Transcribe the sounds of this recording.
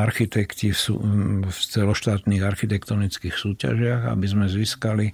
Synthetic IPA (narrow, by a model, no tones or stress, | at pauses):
aɾxit̪ɛkc̪ifsṵft͡sɛlɔʃt̪aːt̪niːɣaɾxit̪ɛkt̪ɔnit͡skixsuːca̰ʒɪaɣa̰bizmɛziskali